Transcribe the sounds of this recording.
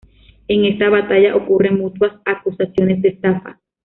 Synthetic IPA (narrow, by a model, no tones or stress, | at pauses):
eŋest̪aβat̪aʝaʔokuremut̪uasakusasjones̬d̪et̪apa̰